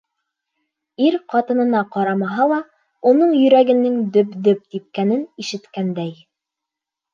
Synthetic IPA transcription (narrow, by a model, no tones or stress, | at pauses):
iɾqɑt̪ɤ̆nɤ̆nɑqɑɾɑmɑɦɑlˠɑ | unɤɴjɵ̆ɾæɡɘ̆nɘŋd̪ɵpd̪ɵp̚t̪ip̚kænɘniʃɘ̆t̪kænd̪æj